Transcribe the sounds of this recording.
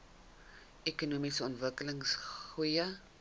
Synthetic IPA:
ekunumisəɔntvəkələŋsχujə

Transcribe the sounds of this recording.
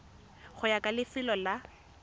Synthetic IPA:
χʊjakʼalɪfɪlɔla

